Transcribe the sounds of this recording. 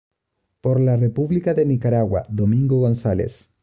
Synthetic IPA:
poɾlarepuβlikaðenikaɾaɣwa̰ðomĩŋɡoɣo̞nsalḛs

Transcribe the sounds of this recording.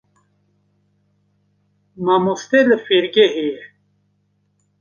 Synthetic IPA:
mamust̪elefiɾɡeɦi

